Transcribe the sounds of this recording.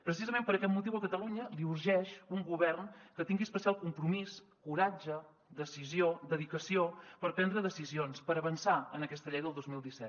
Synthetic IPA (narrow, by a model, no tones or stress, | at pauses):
pɾəsizəmẽmpəɾəkɛt̪̚mut̪iwəkət̪əluɲəliuɾʒɛʃuŋɡuβɛrnkət̪iŋɡiəspəsialˠkumpɾumis | kuɾad͡ʒə | d̪əsiziod̪əðikəsiopəɾpɛnd̪ɾəðəsizionspəɾəβənsaənəkɛst̪əʎɛjðəlˠd̪ozmilˠd̪isɛt̪̚